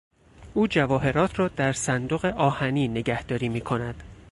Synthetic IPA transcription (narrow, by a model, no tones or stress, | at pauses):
ʔuːd͡ʒævɒːɦe̞ɾɒːt̪ʰɾɒːd̪æɾsænd̪oɣeʔɒːhæniːne̞ɡæhd̪̥ɒːɾiːmiːkʰo̞næd̪̥